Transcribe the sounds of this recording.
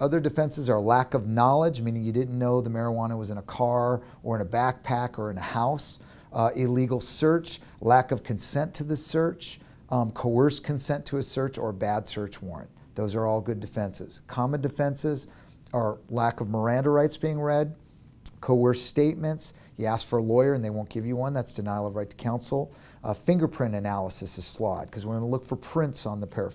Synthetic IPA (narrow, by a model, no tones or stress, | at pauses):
ʌðə˞dɨfɛ̃nsɨzə˞lækʌvnɑlˠəd͡ʒmĩnɪ̃ŋjɨdɪdⁿn̩noʊðəmɛɹəwɑ̃ñəwʌzɨ̃ñəkʰɑɹ | ʔə˞ɨ̃nɨbæk̚pʰækə˞ɨ̃nɨhaʊs | ɪliɡl̩ˠsɜ˞t͡ʃ | lækʌv̥kʰɨ̃n̩sɛ̃ntʰɨðɨsɜ˞t͡ʃ | kʰoʊɜ˞skʰɨ̃nsɛ̃ntʰɨɨsɜ˞t͡ʃə̰˞bæd̥sɜ˞t͡ʃwɔ̰ɹɨ̰̃n | ðoʊzə˞ɔlˠɡʊdɨfɛ̃nsɪ̰z̥kʰɑmɨ̃ndɨfɛ̃nsɪz | ə˞lækʌvmə˞æ̃ndəɹaɪtsb̥iɪ̃ŋɹɛd̚ | kʰoʊɜ˞steɪt̚mɨ̃nts | jɨæskfə˞əlɔɪə˞ɨ̃nðeɪwõʊ̃nɡ̥ɪvjɨwʌ̃nðætsd̥ɨnaɪlˠʌvɹaɪtʰə̥kʰãʊ̃nsl̩ˠ | fɪ̃ŋɡə˞pʰɹ̥ɪ̃ɾ̃ɨnælˠəsɨsɨz̥flɔ̰d̚kʰʌzwɨɹɡʌnəlʊkfə˞pʰɹ̥ɪ̃ntsn̩ðəpʰɛɹ